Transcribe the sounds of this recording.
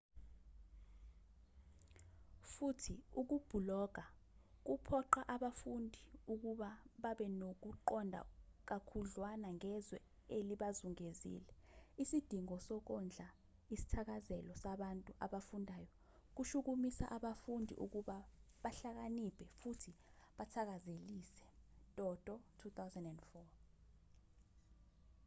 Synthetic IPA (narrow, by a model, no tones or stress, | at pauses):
futʰiuk̬ub̥ʱulɔɡ̥ʱak̬upʰɔǃaʔaɓafundʱiuk̬uɓaɓaɓɛnok̬uǃɔndʱa̰k̬akʰuɮwanaŋɛzwɛ̰ | eliɓazuŋezḭlɛisid̥ʱiŋɔsɔk̬ɔnd͡ɮʱa | isi̥tʰak̬azɛlɔsaɓantʼuʔaɓafundʱajɔ | k̬uʃuk̬umisa̰ʔaɓafundʱḭʔṵk̬uɓaɓaɬak̬anipʰʼɛfutʰiɓatʰak̬azeliːsɛ̥tʼɔd̥ʱʼɔtʰut̪awzɛndɛndfɔ